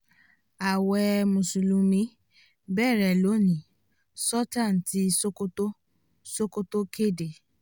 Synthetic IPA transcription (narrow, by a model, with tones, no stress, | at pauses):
a˨wɛ˧mũ˨su˨lũ˨˧mĩ˦ | bɛ˦˨ɾɛ˨lo˨˦˨nĩ˨ | sɔ˦tã˦˨n˨ti˨˦˧so˦ko˦to˦ | so˦ko˦to˦ke˦˨de˨